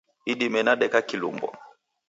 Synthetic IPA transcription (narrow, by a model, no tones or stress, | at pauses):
iɗimɛnaɗɛkakilṵmbɔ̰